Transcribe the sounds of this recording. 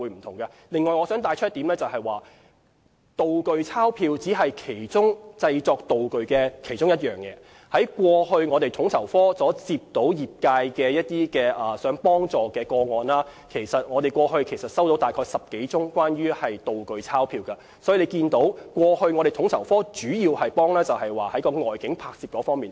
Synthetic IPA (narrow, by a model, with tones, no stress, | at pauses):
uː˨˥m̩˨˩t̪ʰʊ˨˩ŋkɐ˧ | lɪ˨ŋːɔː˨jŋɔː˨˧sœː˨˥ŋt̪aː˧jt͡ʃʰœ˥t̚t̪i˨˥mlɛː˥t͡sɐ˨˩whɐ˨jwaː˨ | t̪o˨wkɵ˨ɥt͡sʰaː˥wpʰiː˧wt͡siː˨˥ɦɐ˨jkʰe˨˩jt͡sʊ˥ŋt͡sɐ˧jt͡sɔː˧k̚t̪o˨wkɵ˨ɥkɛː˧kʰe˨˩jt͡sʊ˥ŋjɐ˥t̚jœː˨ŋjɛ̰ː˨˧ | hɐ˨˥jkʷwɔː˧ɦɵ˧ɥŋɔ˨˧t̪e˨jt̪ʰʊ˨˥ŋt̪ʰɐ˨˩wfɔː˥sɔː˨˥t͡siː˧p̚t̪o˨˥wjiː˨p̚kaː˧jkɛː˧jɐ˥t̚t̪iː˥kɛː˧ʔɐː˨sœː˨˥ŋpɔː˥ŋt͡sɔː˨kɛː˧kɔː˧ŋɔː˨˧nlaː˥kʰe˨˩jsɐ˨t̚ŋɔː˨˧t̪e˨jkʷɔː˧ɦɵ˧ɥkʰe˨˩jsɐ˨t̚sɐ˥wt̪o˨˥wt̪aː˨jkʰɔː˧jsɐ˨p̚ke˨˥jt͡sʊ˥ŋkʷwaː˥nɥyː˥hɐ˨jt̪o˨wkɵ˨ɥt͡sʰaː˥wpʰiː˧wkɐ˧ | sɔː˨˥ji˨˧le˨˧jkiː˧nt̪o˨˥wkʷɔː˧hɵ˧ɥŋɔ˨˧ɾe˨˩jt̪ʰʊ˨˥ŋt̪ʰɐ˨˩wfɔː˥t͡ʃyː˨˥jiː˧whɐ˨jpɔː˥ŋlɛː˥t͡sɐ˨whɐ˨jwaː˨˩hɐ˨˥jkɔː˧ŋɔː˨jkɪ˨˥ŋpʰaː˧k̚siː˨p̚kɔː˨˥fɔː˥ŋmiː˨˩n